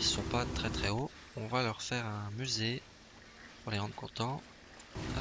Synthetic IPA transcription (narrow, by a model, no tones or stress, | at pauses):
isɔ̃pat̪χɛt̪χɛo | ɔ̃valœʁfɛʁɛ̃myze | puʁleʁɑ̃d̪ʁəkɔ̃t̪ɑ̃